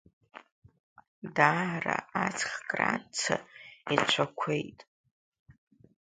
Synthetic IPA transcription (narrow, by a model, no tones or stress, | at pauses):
daraat͡sʰʼχkʼrat͡sʰait͡ʃʷʰakʷʰe̞jtʼ